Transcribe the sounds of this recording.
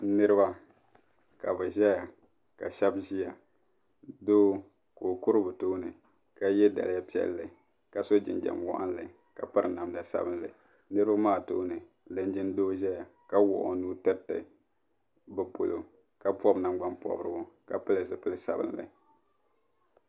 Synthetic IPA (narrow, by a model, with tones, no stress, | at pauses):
nɨ˦ɾɨ˦ba˦ | ka˨bɛ˨ʒɛ˦ja˨ | ka̰˨ʃa˦bʒi˦ja˨ | doː˦ | ko˨o˨ku˦ɾɨ˦bɨ˨toː˦nɨ˨ | ka˦jɛ˦da̰˨lɨ˨˦ja˦pi˦ɛ̰˦lːɨ˨ | ka˨so˦d͡ʒɪ̰˨nd͡ʒa̰˨mwɔ̰˦ʔa̰˦n˦lɨ˨ | ka˨pɨ˦ɾɨ˨na˨mda˨sa̰˦bɨ˦n˦lɨ̰˨ | nɨ˦ɾɨ˦ba˦maː˦˨toː˦nɨ˨ | lɨ˦n˦d͡ʒɪ˦n˦doː˦ʒɛ˦ja˨ka˦wʊ̰˨ʔʊ̰˨nuː˦tɨ˦tːɨ̰˨ | bɛ˨po˨lo˨ | ka˦pɔ˦bna˨mɡ͡ba˦npɔ̰˨bɨ˦ɾɨ˦bʊ˦ka˨pɨ˦lɨ˨zɨ˨pɨ˦lɨ˦sa̰˨bɨ̰˦˨n˦lɨ̰˨